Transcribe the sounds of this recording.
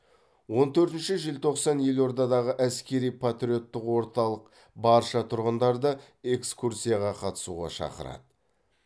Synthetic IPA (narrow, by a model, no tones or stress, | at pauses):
wo̞nt̪ʰɵɾt̪ɪnʃɪʒɪlt̪ʰo̞qsɑnjelwo̞ɾd̪ɑd̪ɑʁəʔæskʲe̞ɾijpʰat̪ɾʲijo̞t̪ːɪqwo̞ɾt̪ɑlˠəq | bɑɾʃɑt̪ʰʊɾʁənd̪ɑɾd̪ə | e̞kskuɾsʲijɑʁɑqʰɑt̪ə̥suʁɑ̰ʃɑ̰qə̰ɾɑ̰d̪ə